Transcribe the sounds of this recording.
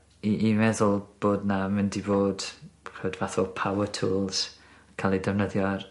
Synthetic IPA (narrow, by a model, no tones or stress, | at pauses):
iʔːmɛðʊlˠb̥oːdnamɪndiboːd̥kʰɛwdvaθɔlˠpʰawətʰuːlˠz̥ | kʰalˠidɛvnəðjɔr